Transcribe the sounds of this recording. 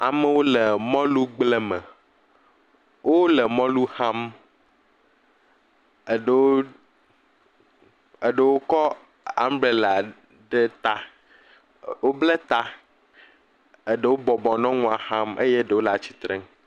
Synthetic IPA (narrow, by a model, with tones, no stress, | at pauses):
a̰˨me˦wo˦le˨mɔ̃˦lu˦ɡ͡ble˦me˨ | wʔo˦le˨mɔ̃˦lu˦hã˦m | e˨ɖe˨wo˦ | e˨ɖe˨wo˦kɔ˦ | a˦m˦ble˨la˨ | ɖe˦t̪a˦ | wo˦ble˦t̪a˦ | e˨ɖe˦wo˦bɔ˨bɔ˨nɔ̃˦ŋũ˦a˨hã˦mʔḛ˦je˦ɖe˨wo˦la˨t͡ɕi̥˨t̪ɾe˦ŋ